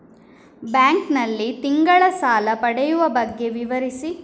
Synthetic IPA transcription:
baːŋknɐlːit̪iŋɡɐɭɐsaːlɐpɐɽɛjuʋɐbɐɡːe̞ʋiʋɐɾisi

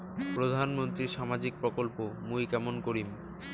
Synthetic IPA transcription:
pɾod̪ʱanmont̪ɾiɾʃamad͡ʑik̚pɾokolpomujkɛmonkoɾim

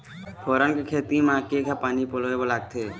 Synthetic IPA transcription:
pʰoːɾənkekʰeːt̪imãːkekapaːnipoloːebolaːk̚t̪ʰeː

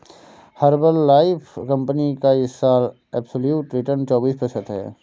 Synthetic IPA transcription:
hɐɾbəlːaːɪpʰkɐ̃mpənikaɪsːaːl | ɛːbsəljuːʈɾɪʈəɾnt͡ʃɔːbiːspəsət̪ɦɛ̰ː

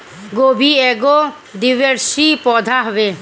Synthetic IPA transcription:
ɡobʱiɛɡɔ | d̪iʋeɾsipɔd̪ʱaɦβe

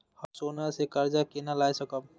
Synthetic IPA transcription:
həsoːnasekəɾd͡ʒakenalajsəkəb

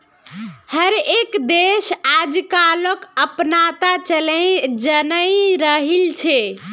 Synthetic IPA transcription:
həɾekd̪esad͡ʒkaləkəpnat̪at͡ʃələd͡ʒənəjɾəɦilt͡ʃʰe

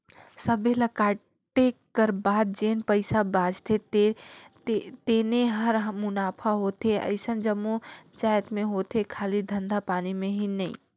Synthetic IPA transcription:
sɐbelɐkaː | ʈekkɐɾbaːd̪̚d͡ʒeːnpəɪsabãːd͡ʒt̪ʰet̪e | t̪eːneɦɐɾmʊnaːpʰaɦoːt̪eʔɐ̰ɪsənd͡ʒɐmut͡ʃaːjət̪mẽɦoːt̪ekʰaːlid̪ʱɐ̃nd̪ʱapaːnimẽɦinɐḭ̃

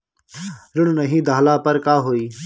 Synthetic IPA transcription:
ɾʊɽnəɦĩːd̪ʱaːlaːpəɾkaːɦoːiː

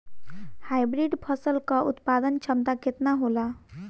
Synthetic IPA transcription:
hajbɾiɖpʰəsəlkəʔut̪pad̪ənt͡ʃʰəmt̪aket̪naɦola

